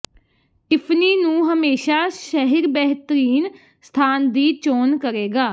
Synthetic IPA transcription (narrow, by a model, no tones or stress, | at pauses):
ɪpʰniːnũːɦəmeːʃaːʃəɦɪɾbɛːɦt̪əɾiːn | st̪ʰaːnd̪iːt͡ʃoːnkəɾeːɡaː